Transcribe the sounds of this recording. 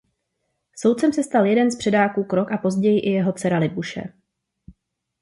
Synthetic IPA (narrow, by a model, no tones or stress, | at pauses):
so̞wt̪t͡sɛmsɛst̪aljɛdɛnspr̥ɛdaːkuːkɾo̞kapo̞zɟɛjɪʔɪjɛɦo̞t͡sɛɾalɪbuʃɛ̰